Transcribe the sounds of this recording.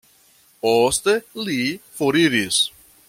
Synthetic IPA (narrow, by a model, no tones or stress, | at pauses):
pɔst̪elifoɾiɾis